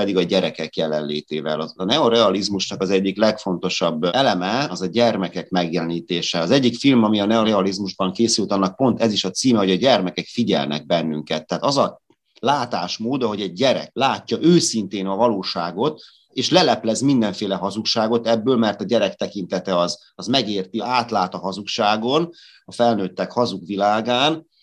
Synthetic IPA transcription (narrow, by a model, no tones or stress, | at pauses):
ɛd̪iɡɒɟɛɾɛkɛkjɛlɛ̰nleːt̪ḛːvɛ̰lɒnɛoɾɛɒlizmuʃnɒkɒzɛɟːiklɛkfo̞nt̪o̞ʃɒbːɛlɛmɛɒzɒɟɛrmɛkɛkmɛɡjɛlɛniːt̪eːʃɛɒzɛɟːikfilmɒmiɒnɛo̞ɾɛɒlizmuʒbɒŋkeːsylt̪ɒnːɒk̚po̞nt̪ɛziʃɒt̪siːmɛɦo̞ɟɒɟɛrmɛkɛkfiɟɛ̰lnɛ̰ɡ̚bɛnːyŋkɛt̪ːɛaːt̪ɒzɒ | laːt̪aːʃmoːd̪ɒɦo̞ɟɛɟ̚ːɛɾɛ̰klaːcːɒʔøːsint̪eːnɒvɒloːʃaːɡo̞t̪ | eːʃlɛlɛplɛzmind̪ɛɱfeːlɛɦɒzukʃaːɡo̞t̪ɛbːøːlmɛrt̪ɒɟɛɾɛk̚t̪ɛkint̪ɛt̪ɛɒz | ɒzmɛɡeːrt̪iaːt̪laːt̪ɒɦɒzukʃaːɡo̞n | ɒfɛlnøːt̪ːɛkhɒzukʋilaːɡaːn